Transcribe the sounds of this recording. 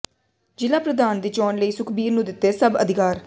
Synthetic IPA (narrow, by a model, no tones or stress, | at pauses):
d͡ʒɪlaːpɾəd̪aːnd̪iːt͡ʃɔːnləiːsʊkʰbiːɾnũːd̪ɪt̪ːeːsəbə̰d̪ɪkaːɾ